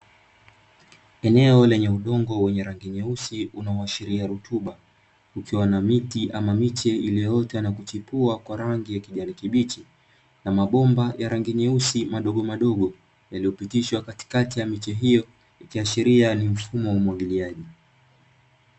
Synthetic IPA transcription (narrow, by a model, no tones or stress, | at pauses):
ɛnɛɔlɛɲɛuɗɔŋɡɔwɛɲɛɾaŋɡiɲɛusiunaɔaʃiɾiaɾutʰuɓa | ukiwanamitiʔamamit͡ʃɛilɛjɔtɛanakut͡ʃipuakwaɾaŋɡijakiʄanikiɓit͡ʃi | namaɓɔmbajʔaɾaŋɡiɲɛusimaɗɔɠɔmaɗɔɠɔ | jalijɔpitiʃwakati̥katijamit͡ʃɛɦijɔ | ikiaʃiɾianim̩fumɔumwaɠiliaʄi